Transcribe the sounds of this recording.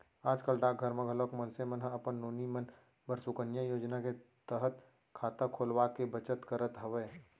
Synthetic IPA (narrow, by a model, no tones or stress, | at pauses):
aːd͡ʒkəlʈaːɡʱəɾmə̃ɡʱəloːkmɐnsemənɦəɐpənːoːnimən | bəɾsukənjajoːd͡ʒnake | t̪əɦət̪ | kʰaːt̪akʰoːlwakebət͡ʃət̪kəɾət̪ɦɐʋeː